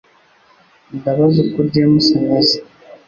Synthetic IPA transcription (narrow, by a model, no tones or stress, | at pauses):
ndaβazukuɾɟemusaɲazi̥